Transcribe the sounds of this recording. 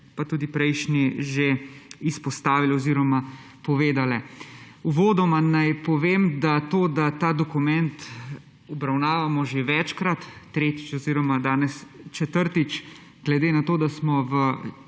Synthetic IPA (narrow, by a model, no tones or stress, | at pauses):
pat̪uːd̪ipɾɛjʃniʒeispɔst̪aːʋilɔziːɾɔma | pɔʋeːd̪alɛ | uʋoːd̪ɔmanajpɔʋeːmd̪at̪oːd̪at̪aːd̪ɔkumɛnt̪ | ɔbɾawnaːʋamɔʒeʋɛt͡ʃkɾat̪ːɾeːt̪i̥t͡ʃɔziːɾɔmad̪aːnɛst͡ʃɛt̪əɾt̪it͡ʃ | ɡ̥lɛd̪eːnat̪oːd̪asmɔʋə